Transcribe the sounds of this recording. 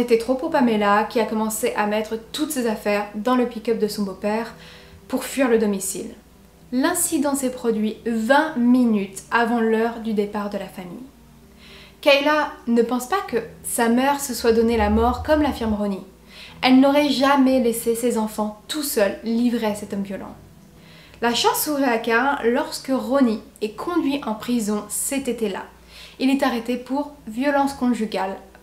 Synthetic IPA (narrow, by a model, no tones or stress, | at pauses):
et̪ɛt̪χopopamɛlakʲiakɔmɑ̃seʔamɛt̪χət̪ut̪sezafɛʁd̪ɑ̃ləpikʲœp̚d̪əsɔ̃bopɛʁ | puʁfɥiʁləd̪ɔmisḭl | lɛ̃sid̪ɑ̃sɛpχɔd̪ɥivɛ̃minyt̪avɑ̃lœʁd̪yd̪epaʁd̪əlafamḭj | kajlanəpɑ̃spakəsamɛʁsəswad̪ɔnelamɔʁkɔmlafiʁmʁɔni | ɛlnɔʁɛʒamɛlesesezɑ̃fɑ̃t̪usœlːivʁeasɛt̪ɔmvjɔlɑ̰̃ | laʃɑ̃suʁɛakaɛ̃lɔʁskəʁɔni | ɛkʰɔ̃d̪ɥiʔɑ̃pχizɔ̃sɛt̪et̪ela̰ | ilɛt̪aʁɛt̪epuʁvjɔlɑ̃skɔ̃ʒyɡʲal